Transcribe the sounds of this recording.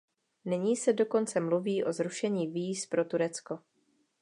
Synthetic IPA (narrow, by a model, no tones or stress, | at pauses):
nɪɲiːsɛdo̞ko̞nt͡sɛmluviːʔo̞zɾuʃɛɲiːviːspɾo̞t̪uɾɛt͡sko̞